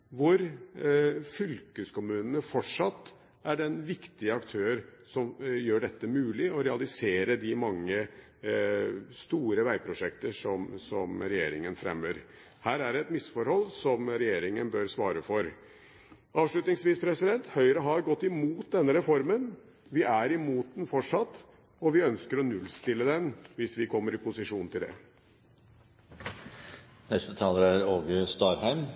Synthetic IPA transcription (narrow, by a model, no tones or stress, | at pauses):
ʋʊɾ | fʏlkəskʊmʉːnənəfɔʈʂɑt̪ː | æɖɛnʋɪkt̪ɪəɑkt̪ʰøːəɾsɔmjøːɖɛt̪ːəmʉːlɪɔɾɛɑlɪseːɾəd̪ɪmɑŋːə | st̪uːɾəʋæɪpʰɾʊʂɛkt̪əʂɔmsɔmɾɛjḛːɾɪ̰ŋənfɾɛ̰mːəɾ | hæːɾæɖɛːɛt̪mɪsfɔɾhɔlːsɔmɾɛjeːɾɪŋənbœɾsʋɑːɾəfɔɾ | ɑːʋʂɭʉt̪nɪŋsʋiːspʰɾɛsɪd̪ɛnt̪hœʏɾəɦɑɾɡɔt̪ːɪmuːt̪̚d̪ɛnːəɾɛfɔɾmən | ʋɪʔæɾɪmuːt̪nfɔʈʂɑt̪ː | ɔʋɪœnskəɾɔnʉlːst̪ɪlːəd̪ɛnʋɪsʋɪkʰɔmːəɾɪpʊsɪʂuːnt̪ʰɪld̪ɛ̰ | nɛst̪ət̪ʰɑːləɾæɾoːɡəst̪ɑːɾhæɪm